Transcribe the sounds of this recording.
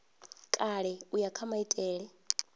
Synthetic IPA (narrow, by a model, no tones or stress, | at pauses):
kʼaɺɛujakʰamaitʼɛːɺɛ